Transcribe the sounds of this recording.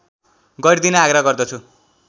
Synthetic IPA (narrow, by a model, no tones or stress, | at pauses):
ɡʌɾd̪inʌaɡɾaɡʌrd̪ʌt͡sʰu